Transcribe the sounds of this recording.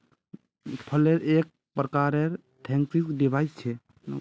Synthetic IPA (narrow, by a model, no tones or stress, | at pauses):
pʰəleɾek̚ | pɾəkaɾeɾ | t̪ʰẽŋksisɖibʱaist͡ʃʰɛ